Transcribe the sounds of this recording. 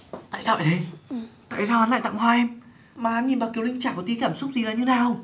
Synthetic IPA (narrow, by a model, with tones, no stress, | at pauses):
t̪a̰ː˧˨jsaː˧wʔa˧˩jt̪ʰe˨˦t̪a̰ː˧˨jsaː˧wha˨˦na̰ː˧˨t̪a̰˧˨ŋɦwaː˧ʔɛ˧m | maː˨˩ha˨˦nɲi˨˩ɓaː˨˩ki˨˦əlï˧ŋt͡ɕaː˧˩kɔ˨˧˩t̪i˨˦kaː˧˩msʊ˦˥k͡p̚zi˨˩laː˨˩ɲɨ˧naː˨˩w